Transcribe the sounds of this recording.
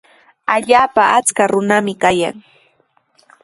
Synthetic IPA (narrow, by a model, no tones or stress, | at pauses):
aʎaːpaʔat͡skaɾʊnamɪkaja̰ŋ